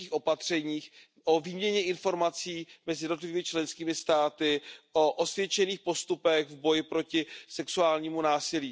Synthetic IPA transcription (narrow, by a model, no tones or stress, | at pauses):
iːxʔo̞pat̪r̝̥ɛɲiːx | ʔoviːmɲɛɲɛʔɪnfo̞ɾmat͡siːmɛzɪjɛdnot̪lɪviːmɪt͡ʃlɛnskiːmɪst̪aːt̪ɪʔo̞ʔosvjɛt͡ʃɛniːxpo̞st̪upɛɣvbo̞jɪpɾo̞cɪsɛksuaːlɲiːmunaːsɪliː